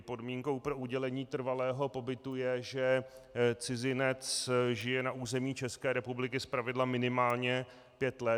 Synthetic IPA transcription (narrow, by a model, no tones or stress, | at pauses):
po̞dmiːŋko̞wpɾo̞ʔuɟɛlɛɲiːt̪r̩valɛːɦo̞po̞bɪt̪ujɛʒɛ | t͡sɪzɪnɛt͡sʒɪjɛnaʔuzɛmiːt͡ʃɛskɛːɾɛpublɪkɪspɾavɪdlamɪnɪmaːlɲɛ | pjɛt̪lɛ